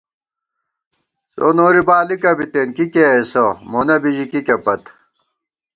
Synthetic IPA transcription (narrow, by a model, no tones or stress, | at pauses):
so̰noːɾibaːlikɐbit̪enkikeesomonɐbiʑikikepɐt̪